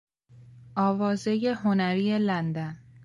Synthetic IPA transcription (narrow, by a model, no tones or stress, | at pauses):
ʔɒːvɒːze̞jeɦonæɾiːelænd̪æn